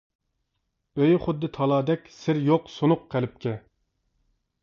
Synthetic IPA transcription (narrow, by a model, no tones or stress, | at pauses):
øjχʊd̪ːɨt̪ʰɑlˠɑːd̪ɛkʲsɪɾjoqsonʊqqʰːælɪp̚kʲʰɛ